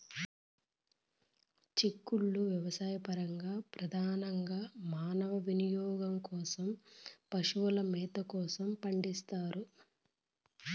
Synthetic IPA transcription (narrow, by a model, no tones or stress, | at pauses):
t͡ʃikːuɭːuʋjɐʋɐsaːjɐpɐɾɐŋɡaːpɾɐd̪ʱaːnɐŋɡaːmaːnɐʋɐʋinijɔːɡɐmkɔːsɐmpɐʂuʋulɐmɛːt̪ɐkɔːsɐmpɐɳɖist̪aːɾu